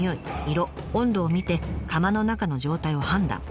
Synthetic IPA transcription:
jo̞iiɾo̞ | õnd̪o̞ːmʲit̪e̞kamano̞nakano̞ʑo̞ːt̪aiohãnd̪ã̰ŋ

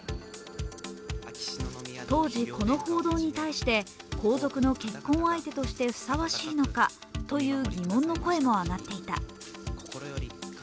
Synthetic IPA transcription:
t̪o̞ːʑiko̞no̞ho̞ːd̪o̞ːɲ̟it̪aiɕi̥t̪e̞ | kʰo̞ːzo̞kɯ̟no̞ke̞kːõ̞ɰ̃ait̪e̞t̪o̞ɕi̥t̪e̞ɸɯ̥saβaɕiːno̞ka̰ | t̪o̞jɯ̟ːɡʲimõ̞nːo̞ko̞e̞mo̞anat̪ːe̞it̪a̰

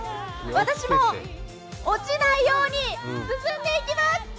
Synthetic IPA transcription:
βat̪aɕimo̞ | ot͡ɕinaijo̞ːɲ̟isɨsɨ̃nd̪e̞ikʲimas

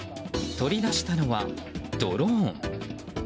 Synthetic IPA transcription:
t̪o̞ɾʲid̪aɕi̥t̪ano̞βa̰d̪̥o̞̰ɾõŋ

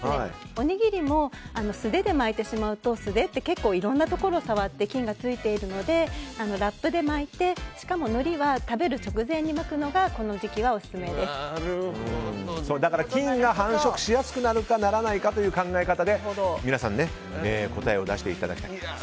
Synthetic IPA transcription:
aeḭ | o̞ɲ̟iɡʲiɾʲimo̞ano̞sɨd̪e̞d̪e̞mait̪ːe̞ɕimaɯ̟t̪o̞sɨd̪e̞t̪ːe̞ke̞kːo̞ːiɾõ̞nːat̪o̞ko̞ɾo̞ːsaβat̪ːe̞kʲĩŋɡat͡sɨit̪e̞iɾɯ̟no̞d̪e̞ano̞ɾapːɯ̟d̪e̞mait̪e̞ɕi̥kamo̞no̞ɾʲiβat̪abe̞ɾɯ̟t͡ɕo̞kɯ̟zẽ̞ɲ̟ːimakɯ̟no̞ɡako̞no̞ʑikʲiβao̞sɨ̥sɨme̞d̪e̞sɨ̥ɯ̃so̞ːd̪akaɾakʲĩŋɡaɦãɰ̃ɕo̞kɯ̟̥ɕijasɨ̥kɯ̟naɾɯ̟kanaɾanaikat̪o̞jɯ̟ːkãŋɡaekat̪ad̪e̞minasã̰nːe̞ | eːko̞t̪aeo̞d̪a̰ɕi̥t̪e̞̰it̪a̰d̪a̰kʲi̥ai

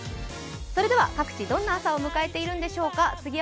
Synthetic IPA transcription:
so̞ɾe̞d̪e̞βakakɯ̟̥t͡ɕid̪õ̞nːaːsao̞mɯ̟kae̞t̪e̞iɾɯ̟̃nd̪e̞ɕo̞ːkat͡sɨɡʲi

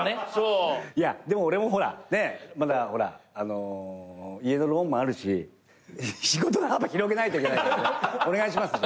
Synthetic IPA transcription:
nesojad̪e̞mo̞ːɾe̞mo̞ɦo̞ɾa̰ne̞mad̪aho̞ɾa̰ano̞ | ie̞no̞ɾõ̞mːoaɾɯ̟ɕḭ | ɕiɡo̞t̪oɡaamːaçiɾo̞k̬e̞nait̪oikenaone̞ɡaiɕimasɨ

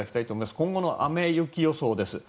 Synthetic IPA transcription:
akʲi̥t̪ait̪oːmoimasɨ̥kõŋɡo̞no̞ʔame̞jɯkʲijo̞so̞ːd̪e̞sɨ

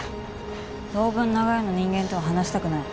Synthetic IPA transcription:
so̞ːbɯ̟̃nːaɡaeno̞ɲ̟ĩŋɡẽ̞nt̪oaɦanaɕi̥t̪akɯ̟nai

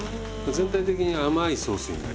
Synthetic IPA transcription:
maze̞nt̪ait̪̬e̞kʲiɲ̟iamaiso̞ːsɨ̰̃nd̪a̰

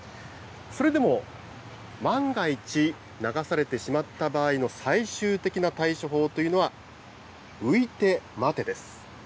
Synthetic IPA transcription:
so̞ɾe̞d̪e̞mo̞ | mãŋɡait͡ɕi | naɡasaɾe̞t̪e̞ɕimat̪ːabaːino̞saiɕɨːt̪e̞kʲinat̪aiɕoɦo̞ːt̪o̞jɯ̟no̞βa | ɯ̟it̪e̞mat̪e̞d̪e̞sɨ̥

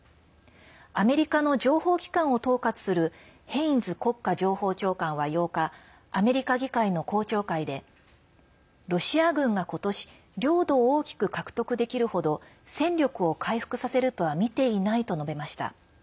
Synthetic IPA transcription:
ame̞ɾʲikano̞d͡ʑo̞ːho̞ːkʲi̥kãɰ̃o̞t̪o̞ːkat͡sɨ̥sɨɾɯ̟ | hẽ̞ĩnd͡zɨko̞kːaʑo̞ːho̞ːt͡ɕo̞ːkãɰ̃βajo̞ːkaː | me̞ɾʲikaɡʲikaino̞ko̞ːt͡ɕo̞ːkaid̪e̞ | ɾo̞ɕiaɡɯ̟̃ŋɡako̞t̪o̞ɕi̥ | ɾʲo̞ːd̪o̞ːkʲi̥kɯ̟kakɯ̟̥t̪o̞kɯ̟d̪e̞kʲiɾɯ̟ho̞d̪o̞ | sẽ̞ɲɾʲo̞kɯ̟o̞kʰaiɸɯ̥kɯ̟sase̞ɾɯ̟t̪o̞βamʲit̪e̞inait̪o̞no̞be̞maɕi̥t̪a̰

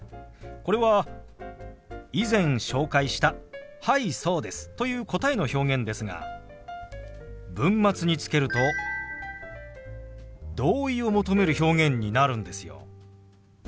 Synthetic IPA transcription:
ko̞ɾe̞βa | izẽ̞ɰ̃ɕo̞ːkaiɕi̥t̪ahaiso̞ːd̪e̞sɨ̥t̪o̞jɯ̟ːko̞t̪aeno̞ço̞ːɡẽ̞nd̪e̞sɨɡa̰ | bɯ̟̃mːat͡sɨɲ̟it͡sɨ̥ke̞ɾɯ̟t̪o̞ | d̪o̞ːio̞mo̞t̪o̞me̞ɾɯ̟ço̞ːŋẽ̞ɲ̟ːinaɾɯ̟̃nd̪e̞sɨjo̞̰

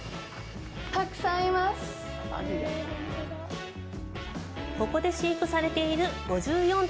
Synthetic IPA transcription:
t̪akɯ̟̥sãimasɨ̥̰ | ko̞ko̞d̪e̞ɕiːkɯ̟saɾe̞t̪e̞iɾɯ̟ɡ̥o̞ʑɨːjõ̞n

